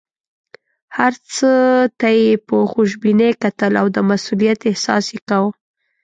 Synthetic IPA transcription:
haɾt͡sət̪ajepəxuʃbinekat̪əlawd̪əmasulijat̪ɪhsɑ̰sjekawə

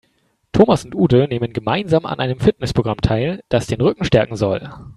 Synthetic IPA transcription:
tʰoːmasʊntʔuːdəneːmənɡəmaɪnzaːma̰nʔaɪnəmfɪt̚nɛspʁoɡʁamtʰaɪld̥asd̥eːnʁʏkŋ̩ʃtɛɐkŋ̩zɔl

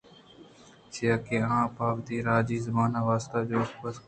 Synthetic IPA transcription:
t͡ʃɪjaːkeːãːpaːbt̪iːɾaːd͡ʒiːzəbaːnaːʋaːst̪aːd͡ʒoːxpəs

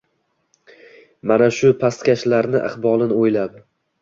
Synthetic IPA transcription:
manaʃʊpʰast̪kʲaʃlaɾnɪʔa̰χbɒlˠɪnojlab

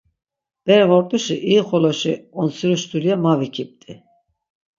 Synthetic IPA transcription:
b̥ɛɾɛvɔɾt̪ʼuʃiʔiχɔlɔʃiɔnsiɾuʃt̪ʼulijamavikʰip̚t̪ʼi

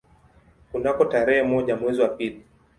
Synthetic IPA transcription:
kunakɔtaɾɛhɛmɔʄamwɛziwapili

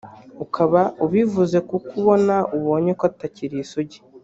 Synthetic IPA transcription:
ukʰaβauβivuze̞kukuβo̞nauβo̞ːɲekotaciɾisoɟi̥

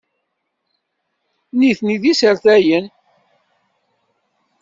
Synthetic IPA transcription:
niθniðisəɾθæjən

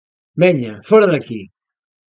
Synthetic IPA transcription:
bɛɲafɔɾɐðaki

